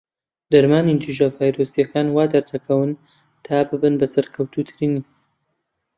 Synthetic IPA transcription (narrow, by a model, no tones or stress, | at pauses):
d̪ɐɾmaːnind͡ʒuʒavaːjɾosijɐkaːnwaːd̪ɐɾt̪ʰɐkʰɐwɨn | t̪ʰaːbɨbɨnbɐsɐɾkʰɐwt̪ʰuːt̪ʰɨɾiːniː